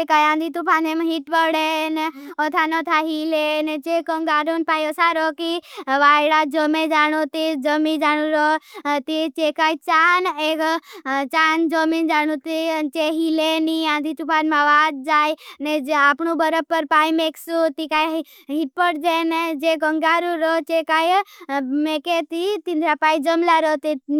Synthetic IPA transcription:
ekajãːnd̪ʱit̪upʰaːnemaɦiʈpəɽeneɔt̪ʰanɔt̪ʰaɦilened͡ʒekəŋɡaːɾonpaːjəsaɾɔkiʋaːɽad͡ʒəmẽd͡ʒaːɽ̃ut̪id͡ʒəmĩd͡ʒaːɽ̃uɾɔt̪it͡ʃekajt͡ʃaːnekt͡ʃaːnd͡ʒəmind͡ʒaɽ̃ut̪it͡ʃeɦileniãːnd̪ʱit͡ʃupaːnmãʋaːd̪̚d͡ʒaːjneapɳubəɾəpːəɾpaːimeksut̪ikaj | ɦiʈ̚pəʈ̚d͡ʒened͡ʒeɡəŋɡaɾuɾɔt͡ʃekaj | meket̪it̪ind̪ɾapaːid͡ʒəmlaɾɔt̪i

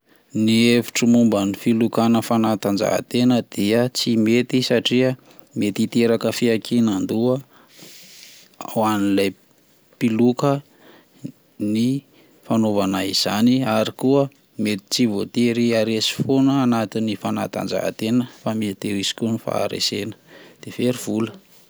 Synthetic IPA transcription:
nievi̥ʈ͡ʂəmumbənifilukanəfanat̪and͡ʒa̰ɦa̰t̪enəd̪̥iət͡simet̪isaʈ͡ʂiə | met̪it̪eɾakəfiakʰinand̪uə | a̰wanilaj | pilukə | ni | fanovanaiz̥aniaɾikuə | met̪i̥t͡sivot̪eɾiaɾesi̥fonəanat̪inifana̰t̪a̰nd͡ʒa̰ɦa̰t̪enəfamit̪iɾisi̥kʲunifa̰ːɾḛsenə̥d̪̥efeɾiv̥ulə

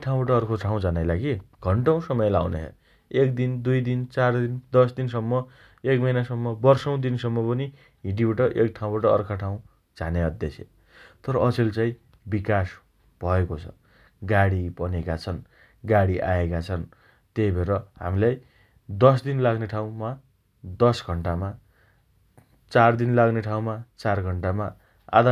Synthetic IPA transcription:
eʈʰaw̃baʈʌːrkʰoʈʰaw̃d͡zʱanajlaɡiɡ̥ʱʌɳʈaw̃sʌmʌjlawnḛɦḛ | ek̚d̪ind̪ujd̪int͡sard̪ind̪ʌs̬d̪insʌmːʌ | ekmʌjnasʌmːʌbʌrsʌw̃d̪insʌmːʌpʌni | ɦiʈibeʈʌʔekʈʰaw̃baʈʌ̰ːrkʰaʈʰaw̃ | d͡zʱaneʌd̪jesʰḛ | t̪ʌɾʌʔʌselt͡sãĩ | bikas | b̥ʱʌekot͡sʰʌ̥̰ | ɡaɽipʌnekat͡sʰʌn | ɡaɽiʔaekat͡sʰʌn | t̪ejbʱeɾʌɦa̰milaj | d̪ʌs̬d̪inlaɡneʈʰaw̃ma | d̪ʌsɡʱʌɳʈama | t͡sard̪inlaɡneʈʰaw̃mat͡sarɡʱʌɳʈama | a̰d̪ʱa

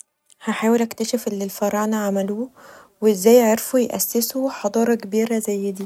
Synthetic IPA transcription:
hæħaːwelʔækt̪æʃefʔelːilfɑɾˤɑʕnæʕamæluːweʔezːæːjːʕeɾfujʔæ̰sːɪsuħɑd̪ˤɑːɾˤɑkebiːɾæzæjːɪd̪iː

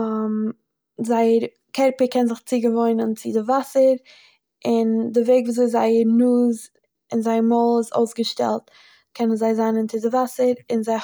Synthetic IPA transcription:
zaɪəɾ | kʰɛɾpəkɛnzɪχt͡siɡəvoɪnənt͡sɪdɪvasəɾ | ɪndɪveɪɡvuːzoɪzaɪəɾnuːz | ɪnzaɪmɔlˠɪzo̰ʊsɡəʃtɛ̰lˠt | kʰɛnənzaɪzanənt͡sɪdɪvasəɾɪnzaɪ

